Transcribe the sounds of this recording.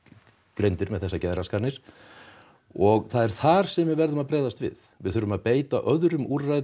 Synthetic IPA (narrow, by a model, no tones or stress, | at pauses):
kɾejnt̪ɪɾmɛðθɛsːacɛðɾaskʰaɾnɪɾ̥ | ɔɣθaðɛɾ̥θaɾ̥sɛmvɪðvɛɾðʏmaðpɾeːjðast̪vɪ̰ð | vɪðθʏɾʏmaðpeːjt̪aʔœðɾʏmuɾːaj